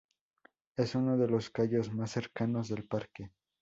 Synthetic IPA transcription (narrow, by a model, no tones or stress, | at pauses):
e̞suno̞ðe̞lo̞skaʝo̞zmasːe̞ɾkano̞zðe̞lpaɾke̞